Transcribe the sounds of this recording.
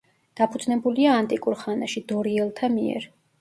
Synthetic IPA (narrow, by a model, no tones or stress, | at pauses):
d̪̥apʰud̪znɛbuliaːnt̪ʼikʼuɾχanaʃid̪ɔɾiɛlˠt̪ʰamiɛ̰ɾ